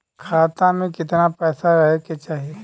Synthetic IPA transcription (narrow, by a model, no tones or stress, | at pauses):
kʰaːt̪ãmẽkɪt̪napɛːsaɾɐɦeket͡ʃaːɦie